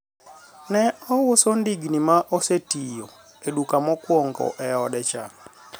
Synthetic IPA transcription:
nɛɔwʊsɔndiɡnimaʔosetijo | edukamɔkwoŋɡɔ̰ʔɛɔdɛt͡ʃa̰

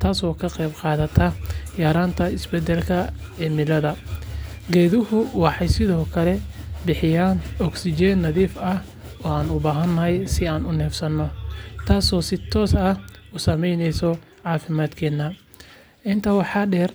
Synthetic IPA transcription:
t̪ʰaːsɔːkʰɐqɛjbqɑːðɐt̪ʰɐjaːɾaːnt̪ʰɐɪsbɛd̪ɛlkʰɐ | ɛːmɪlɐðɐ | ɡɛːðɪhʊwɑħɑjsɪðɔːkʰɐlɛbɪħɪjaːnɔɡsɪd͡ʒɛːnːɐðiːfɐh | ɔːaːnʊbaːɦɐnːɐɦɛjsɪaːnʊnɛːfsɐnːɔt̪ʰaːsɔːsɪt̪ʰɔːsɐhusɐmɛjnɛjsɔ | ʕɑːfɪmaːd̪kʰɛːnːɐ | ʔɪnt̪ʰɐwɑħɑːɖɛːr

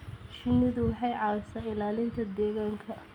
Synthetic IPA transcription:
ʃɪnːɪðʊwɑħɑjʕɑɾsɐɪlaːlɪnt̪ʰɐd̪ɛːɣaːŋkʰɐ

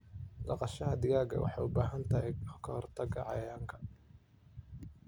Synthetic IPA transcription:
d̪ɑqɑʃɐɦɐd̪ɪɣaːɡɐ̰wʔɑ̰ħɑjʊbaːɦɐnt̪ʰɐɦɛkʰɐhːrt̪ʰɐɡɐ̰ʕɑ̰jaːŋkʰɐ̥

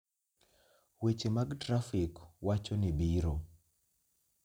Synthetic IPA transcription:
wet͡ʃemaɡtɾafɪkwat͡ʃonɪbiɾo

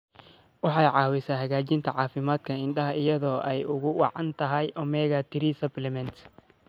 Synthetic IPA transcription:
wɑħɑjʕɑːwɪsaːɦɐɣaːt͡ʃɪnt̪ʰɐʕɑːfɪmaːd̪kʰɐɪnɗɐɦɐɪjɐðɔːʔɛjʊɣʊwɑʕɑnt̪ʰɐɦɛjʔɔmɛːɣat̪ʰɪɾisɐblɛmɛnt̪

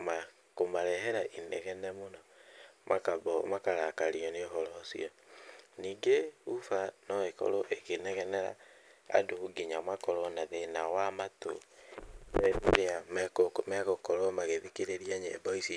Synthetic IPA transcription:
ma | komaɾɛɦɛɾaʔinɛɣɛnɛmonɔmʔa̰kabɔmakaɾakaɾiɔneɦɔɾɔsḭɔniːɡeufanɔekɔ̰ɾoʔeɣenɛɣɛnɛɾa̰a̰douɡiɲamwakɔɾɔnaðenawamato̰ | ɛβiɾeamɛkomɛɣokɔɾɔmaɣeðikeɾeɾiaɲḛbɔisi

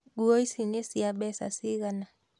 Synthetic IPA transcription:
ɡuɔisinesiaɓɛsa̰siɣana

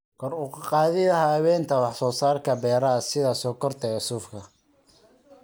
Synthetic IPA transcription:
kʰɔrʊkʰɑqɑːðɪjɐɦɐːwɛːnt̪ʰɐwɑħsɔːsaːrkʰɐbɛːɾɐsɪðɐsɔːkʰɔrt̪ʰɐʊsʊfkʰɐ

